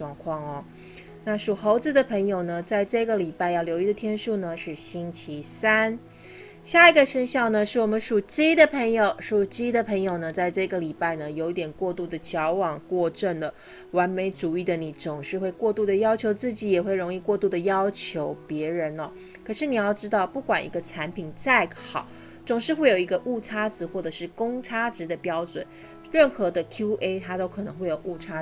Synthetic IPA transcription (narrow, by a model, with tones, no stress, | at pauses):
ŋkʰwɑ˥˩ŋɐ˩ | na˥˩ʂu˨˩xo˧˥ʊt͡sɹ̩˧d̪ə˩pʰɤ˧˥ŋjo˨˩ʊnə˩t͡sa˥˧ɪʈ͡ʂɤ˥˩ɡə˩li˨˩pa˥˧ɪjɑ˥˩ʊljo˧˥ʊi˧˥d̪ə˨t̪ʰjɛ˥nʂu˥˩nə˩ʂɻ̩˥˩ɕi˥nt͡ɕʰi˧˥sa˥n | ɕja˥˩i˧˥ɡə˧ʂə˥nɕjɑ˥˩ʊnə˩ʂɻ̩˥˩wɔ˨˩mə˦nʂu˨˩t͡ɕi˥d̪ə˨pʰə˧˥ŋjo˨˧˦ʊʂu˨˩t͡ɕi˥d̪ə˨pʰɤ˧˥ŋjo˨˩ʊnə˩t͡sa˥˧ɪʈ͡ʂɤ˥˩ɡə˩li˨˩pa˥˩ɪnə˩jo˧˥ʊi˥˩t̪jɛ˨˩nkwɔ˥˧t̪u˥˩d̪ə˩t͡ɕjɑ˧˥ʊwɑ˨˩ŋkwɔ˥˧ʈ͡ʂə˥˩nd̪ə˩ | wa˧˥nme˧˥ɪt͡su˨˩i˥˩d̪ə˩ni˧˥t͡sʊ˨˩ŋʂɻ̩˥˧xwe˥˧ɪkwɔ˥˧t̪u˥˩d̪ə˩jɑ˥ʊt͡ɕʰjo˧˥ʊt͡sɹ̩˥˩t͡ɕi˨˧˥jɛ˨˩xwe˥˩ɪɻʊ˧˥ŋi˥˧kwɔ˥˧t̪u˥˩d̪ə˩jɑ˥ʊt͡ɕʰjo˧˥ʊpjɛ˧˥ɻə˧˦˥nɐ˧ | kʰɤ˨˩ʂɻ̩˥˩ni˨˩jɑ˥˩ʊʈ͡ʂɻ̩˥t̪ɑ˥˩ʊpu˥˩kwa˨˩nʔḭ˧˥ɡə˧ʈ͡ʂʰa˧˥npʰi˨˩˦nt͡sa˥˩ɪxɑ˨˩˦ | t͡sʊ˨˩ŋʂɻ̩˥˧xwe˥˩ɪjo˨˩ʊi˧˥ɡə˧ʔu˥˩ʈ͡ʂʰa˥t͡sɹ̩˨˩˦xwɔ˥˩ʈ͡ʂɤ˨˩ʂɻ̩˥˩kʊ˥ŋʈ͡ʂʰa˥t͡sɻ̩˧˥d̪ə˨˧pjɑ˥ʊt͡swə̰˨˩˦n | ɻə˥˩nxɤ˧˥d̪ə˧kʰju˥ʔe˥ɪt̪ʰa˥t̪o˥ʊkʰɤ˨˩nɤ˧˦ŋxwe˥˩ɪjo˨˩ʊu˥˩ʈ͡ʂʰa˥